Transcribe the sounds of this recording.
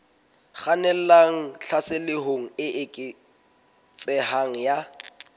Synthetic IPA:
χanɛl̩laŋ̩ɬʰasɪlɪɦoŋ̩ɪʔɪkʼɪ | t͡sʼɛhaŋ̩ja

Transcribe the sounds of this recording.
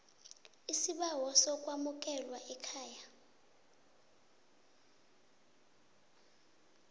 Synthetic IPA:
isiɓawɔsɔkʼwamuk̬ʼɛlwaʔɛkʰaːja

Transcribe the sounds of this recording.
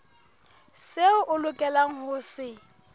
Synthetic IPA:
seʊʔʊlʊkʼɛlaŋ̩hʊsɪ

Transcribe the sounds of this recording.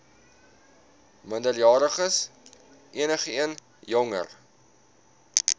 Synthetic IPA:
məndəljɑːɾəχəs | ʔiənəχəiən | jɔŋə̰r

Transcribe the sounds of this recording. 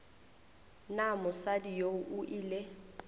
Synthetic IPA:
namʊsadijouʔʊʔile

